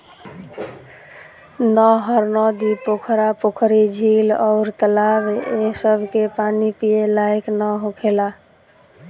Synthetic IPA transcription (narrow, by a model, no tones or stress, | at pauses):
nɔɦəɾnɔd̪ipokʰɾapokʰɾid͡ʒʱilɔʊɾt̪əlabesəbʱkepanipijelajknəɦõkʰela